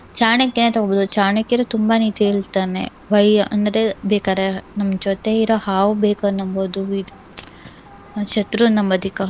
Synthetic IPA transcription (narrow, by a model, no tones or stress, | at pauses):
t͡ʃaːɳekːenet̪ɐɡoboːd̪ut͡ʃaːɳekːiɾot̪umbanit̪eiɭt̪aːnḛ | bɐjɐnd̪ɐɾebeːkaːɾenɐmːɐd͡ʒoːt̪eiɾoːhaːʋubeːkɐnːɐmboːd̪uid̪ | t͡ʃɐt̪ɾunɐmɐd̪ʱikɐ